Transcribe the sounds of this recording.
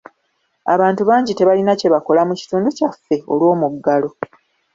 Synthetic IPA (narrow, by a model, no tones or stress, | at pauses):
a̰βaːntuβaːɲɟite̞βalinace̞βako̞lamuci̥tuːnducafːe̞olwo̞ːmuɡːalo̞